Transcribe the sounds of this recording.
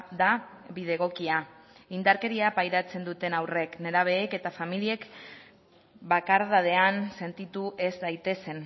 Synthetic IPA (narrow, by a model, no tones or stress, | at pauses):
d̪abiðe̞ɣ̞o̞kia | ind̪aɾke̞ɾiapajɾat͡se̞nd̪ut̪e̞nawre̞kne̞ɾaβ̞e̞ːke̞t̪afamilie̞k | bakaɾðað̞e̞anse̞nt̪it̪uʔe̞zd̪ajt̪e̞se̞n